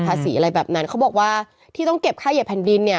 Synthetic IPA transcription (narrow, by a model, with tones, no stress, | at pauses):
aː˧siː˩˦a˧ɾa˧jbɛː˨˩p̚na˦˥nkʰa˦˥wbɔː˨˩k̚waː˥˩ | t̪ʰiː˥˩t̪ɔ˥˩ŋke˨˩p̚kʰaː˥˩je˨˩pʰːɛ˨˩˦ndi˧nːi˥˩ɐ